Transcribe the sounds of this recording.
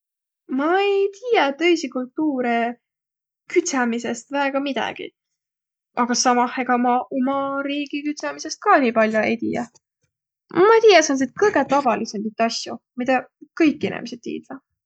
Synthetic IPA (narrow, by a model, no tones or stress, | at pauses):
mɑejt̪iːjet̪ɤ̞jsikult̪ːuːɾe | kyt̪ʲsɑmise̞st̪væeɡ̥ɑmid̪̥ɑ̰ɡ̥ḭ | ʔɑɡ̥ɑsɑmɑheɡɑmɑʔomɑɾiːɡ̥ikyt̪sɑmise̞st̪̚kɑːnʲiːpɑlʲjoe̞jt̪iːjɑ | mɑt̪ijɑsɑns̬et̪̚kɤjɡ̥et̪ɑvɑlisemd̪it̪ːˑɑsʲjumid̪ɑkɤjkːˑinḭmesed̪̥̚t̪ːḭːd̪lɑ